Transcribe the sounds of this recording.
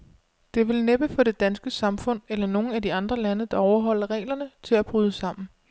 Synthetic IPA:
d̥e̝ʋe̝lneb̥əfɒ̽d̥e̝d̥ænsɡ̥əsɑ̈mfɔ̽n̰elɐno̝ːn̩æd̥iɑ̈nd̥ʁɐlænəd̥ɑ̈ɒʊɐɦɒ̽l̰ɐʁɛ̰ːlɐnət͡sʰe̝læb̥ʁyːð̞ˠəsɑ̈m̰n̩

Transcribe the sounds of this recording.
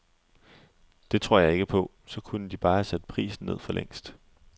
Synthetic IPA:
d̥e̝t͡sʰʁo̝ɐ̰jɑ̈ɪe̝ɡ̥əpʰɒ̽ | sɒ̽kʰunəd̥ib̥ɑ̈ːæsæd̥əpʰʁḭːsn̩ne̝ð̞̰ˠfɒ̽leŋ̰sd̥

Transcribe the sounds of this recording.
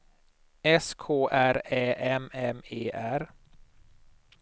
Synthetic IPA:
ɛskʰoːʔæɾɛːʔɛmɛmeːʔæɾ

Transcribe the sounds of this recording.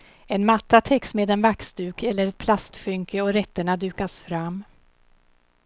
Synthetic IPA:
ɛnmat̪ːat̪ʰɛksmeːd̪ɛnvaksd̪ʉ̟ːkɛlːəɾɛt̪̚pʰlast̪ɧʏŋkəɔɾɛt̪ːəɳad̪ʉ̟ːkasfɾamː

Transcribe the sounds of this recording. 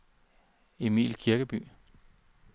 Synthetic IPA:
e̝mḭːlkʰiɐɡ̥əb̥y̰ː

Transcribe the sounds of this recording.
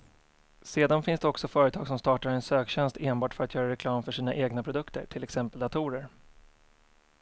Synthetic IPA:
seːd̪anfɪnsd̪ɛɔksɔfœːɾət̪ʰɑːɡ̥sɔmst̪ɑːʈaɾɛnsøːkɕɛnst̪eːnbɑːʈfœɾat̪jœːɾaɾɛkʰlɑːmfœʂiːna̰ʔeːɡnapʰɾʊd̪ɵkt̪ə̰ʈʰɪlɛksɛmpəld̪at̪ʰʊɾəɾ

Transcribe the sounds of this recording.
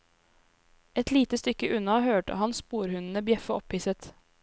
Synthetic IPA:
ɛt̪ʰliːt̪əst̪ʏkːəʔʉnɑhøːʈə̰hɑnspuːɾhʉnn̩əbjɛfəɔpʰhiːsət̪

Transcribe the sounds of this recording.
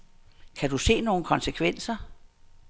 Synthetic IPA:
kʰæd̥use̝̰ːno̝ːn̩kʰɒ̽nsəkʰʋen̰sɐ

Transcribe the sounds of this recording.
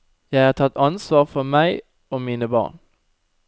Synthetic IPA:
jæɪhɑːt̪ʰɑt̪ɑnsʋɑːʁfɔmæɪ | oːmiːnəbɑ̰ːʁn

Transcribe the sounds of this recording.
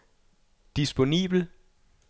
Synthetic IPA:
d̥isb̥o̝nḭːb̥l̩

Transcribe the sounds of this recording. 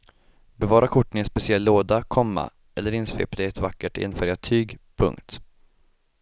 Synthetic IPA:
bɛvɑːɾakʰʊʈːənɛspɛsɪɛlːoːd̪akʰɔmːa̰ | ʔɛlːəɾɪnsvḛːpd̪ɛɛt̪vakːəʈɪ̰nfœːɾjaʈʰyːɡpʰɵ̰ŋkt̪

